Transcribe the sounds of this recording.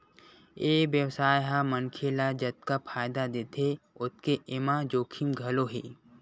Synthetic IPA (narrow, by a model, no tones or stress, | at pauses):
eːʋjəwsaːjɦamənkʰelad͡ʒɐt̪̚kapʰaːjd̪ad̪et̪ʰeʊt̪̚ʰkeʔɪmãd͡ʒoːkʰimɡʱɐloɦeː